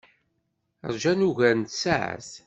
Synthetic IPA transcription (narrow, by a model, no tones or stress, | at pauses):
ə̰ɾˤʒænuʝænt̪saʕə̰θ